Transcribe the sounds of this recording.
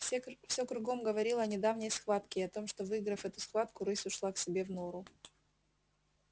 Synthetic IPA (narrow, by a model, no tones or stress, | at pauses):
fsʲɵkɾʊɡo̞mɡəvɐɾʲilˠəɐnʲɪd̪avnʲɪjsxvat̪kʲɪɐt̪o̞mʂt̪o̞vɨɡɾəfɛt̪ʊsxvat̪kʊɾɨsʲʊʂlˠaksʲɪbʲe̞vnoɾʊ